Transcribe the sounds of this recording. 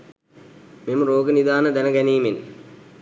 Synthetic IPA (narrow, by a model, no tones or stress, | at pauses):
memroːɡɐnid̪aːnɐd̪ɐnɐɡɐniːmin